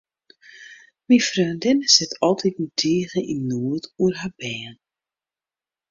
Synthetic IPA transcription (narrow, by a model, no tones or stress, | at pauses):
mifrœːndɪnəsɪtʰɔlˠtʰitmutʰiəɣəʔinnːuətuərɦabɛːən